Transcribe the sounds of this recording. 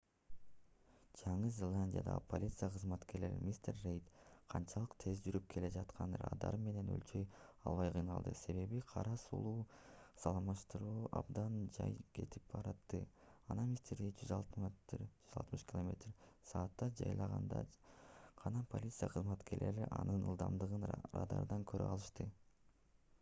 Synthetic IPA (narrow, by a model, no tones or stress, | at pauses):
d͡ʒɑɴɯzʲelˠanʲdʲija̰d̪ɑ̰ʁɯ̰pʰo̞lʲit̪sɨjaqʰɯzmɑt̪ke̞ɾle̞ɾḭmʲist̪erːejt̪qʰɑnt͡ʃʰɑlˠɯqt̪ʰe̞zd͡ʒyɾyp̚kʰele̞d͡ʒɑt̪qʰɑnɾɑ̰d̪ɑ̰ɾme̞ne̞nø̰lt͡ʃøjɑ̰lˠβɑjqʰɯjnɑlˠd̪ɯse̞βe̞βiqʰɑɾɑsṵlˠuːsɑlˠmɑʃt̪ɯɾuːɑbd̪ɑnd͡ʒɑ̰jkʰe̞t̪ʰip̚bɑɾɑt̪ːɯɑnɑmʲist̪eɾd̪id͡ʒyzɑlˠt̪md͡ʒyzɑlˠt̪mɯʃkʲɪlˠomʲe̞t̪rsɑːt̪ːɑd͡ʒɑ̰jlˠɑʁɑ̰nd̪ɑ̰ | qʰɑnɑpʰo̞lʲit̪sɨjaqʰɯzmɑt̪ke̞ɾle̞̰ɾiʔɑnɯnɯ̰lˠd̪ɑmd̪ɯʁɯnɾɑ̰d̪ɑ̰ɾd̪ɑŋkʰøɾø̰ɑlˠɯʃt̪ɯ